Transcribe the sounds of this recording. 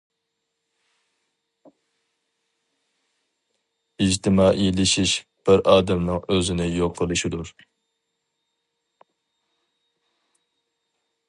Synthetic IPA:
id͡ʒt̪ʰɪmɑːʔilɪʃiʃb̥ɪɾɑːd̪ɛmnɨŋøzɪnɪjoqʰːəlˠɨʃid̪uɾ

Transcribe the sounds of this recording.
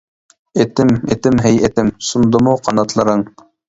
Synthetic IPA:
et̪ɪmḛt̪ɪmɦɛjet̪ɪmsund̪əmuqʰɑnɑt̪ʰlˠɑɾəŋ

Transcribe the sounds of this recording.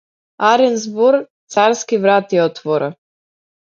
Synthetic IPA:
aɾɛnzbɔɾt̪saɾskivɾat̪iɔt̪vɔɾa

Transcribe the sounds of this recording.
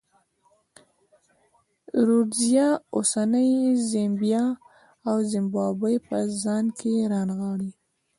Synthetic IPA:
ɾuzjɑosanəjzembjɑ | awzɪmbɑbəjpəzɑnkʰeɾɑnɣɑɽi

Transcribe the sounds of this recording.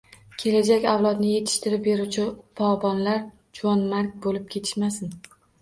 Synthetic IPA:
kʲʰe̞lad͡ʒakʲawlˠɒd̪nɪje̞t̪ʰɪ̥ʃt̪ɪɾɪp̚beɾut͡ʃʰɪpʰɒbɒnlaɾ | d͡ʒɒnmaɾk̚ʲbolɪp̚kʲʰe̞t̪ʰɪ̥ʃmasɪn

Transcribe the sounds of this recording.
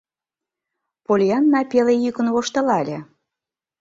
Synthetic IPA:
polʲjɑnːɑpʲelejykə̆nβoʃt̪ɤ̆lɑlʲĕ

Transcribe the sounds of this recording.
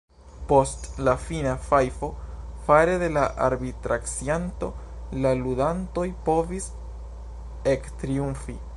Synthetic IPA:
po̞stlafinafajfo̞faɾe̞de̞laʔaɾbitɾaksianto̞ | laludanto̞jpo̞vis | ektɾiuɱfi

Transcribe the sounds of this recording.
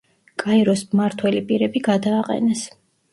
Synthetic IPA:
kʼaiɾɔsmaɾt̪ʰwɛlipʼiɾɛbiɡad̪aːqʼɛ̰nɛs

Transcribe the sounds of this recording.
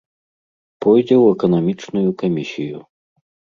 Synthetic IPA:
pɔjd͡zʲɛwɛkɐnɐmʲit͡ʂnujukamʲisʲiju

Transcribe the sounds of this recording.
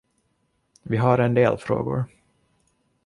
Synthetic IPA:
vɪɦaɾɛnd̪eːlfɾo̰ːɡʊ̰ɾ

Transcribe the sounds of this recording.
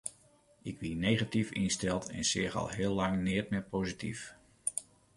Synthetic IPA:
ɪkʋinejχatifɪnstɛlˠtɛ̰nsɪːχɑ̰lˠɦɪːlːɑŋnɪːɹtmɛpowzitif

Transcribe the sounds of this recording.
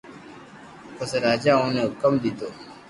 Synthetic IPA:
pəsɾaːd͡ʒaːõːnekəmd̪it̪oː

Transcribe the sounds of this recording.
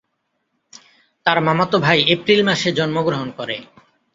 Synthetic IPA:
t̪aɾmamot̪obʱajepɾilmaʃed͡ʑɔnmoɡɾoɦonkoɾe

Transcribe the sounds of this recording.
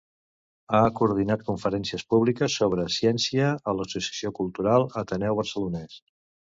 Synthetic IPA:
akuɾð̞inat̪̚kuɱfəɾɛnsiəspuβlikəsːoβ̞ɾəsjɛnsiəːləsusiəsiokulˠt̪uɾalˠət̪ənɛwβ̞ərsəlunɛs

